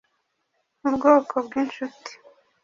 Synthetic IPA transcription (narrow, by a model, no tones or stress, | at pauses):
ubɡoːkʰobɡinʃuti̥